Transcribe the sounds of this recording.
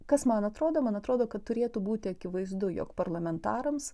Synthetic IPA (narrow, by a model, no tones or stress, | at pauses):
kɐsmɐnɐt̪ɾoːd̪oːmɐnɐt̪ɾoːd̪oːkɐt̪t̪ːʊɾʲeːt̪uːbuːt̪ʲɪɐkʲɪʋɐɪzd̪ʊjo̰ːkpɐrlˠɐmʲɛnt̪ɑːɾɐms